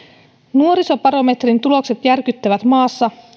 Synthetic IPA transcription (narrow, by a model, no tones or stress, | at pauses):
nuo̞ɾiso̞pɑɾo̞me̞t̪rint̪ulo̞kse̞t̪jærk̟yt̪ːæʋæt̪mɑːsːɑ